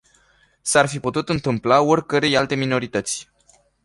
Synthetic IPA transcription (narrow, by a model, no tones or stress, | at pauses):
sarfiput̪ut̪ɨnt̪ɨmplaorʲkəɾe̞jalt̪e̞mino̞ɾit̪ət̪sʲ